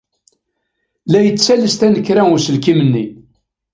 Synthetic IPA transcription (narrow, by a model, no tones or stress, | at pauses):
læjət͡sːt͡sːæləst̪ænəkːɾæʊsəlkimənːi